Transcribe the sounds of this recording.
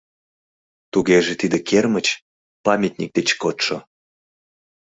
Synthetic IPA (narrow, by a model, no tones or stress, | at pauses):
t̪uɣeʒet̪id̪ekermət͡ɕ | pɑmʲet̪̚nʲḭk̚d̪et͡ɕkot̪ʃo